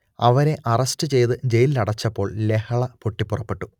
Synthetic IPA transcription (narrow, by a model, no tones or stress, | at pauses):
ɐʋɐɾe̞ʔɐrɐstɨt͡ɕe̞jt̪ɨd͡ʑe̞jlilɐɽɐt͡ɕːɐpːo̞ːɭle̞hɐɭɐpoʈːipːurɐpːe̞ʈːu̥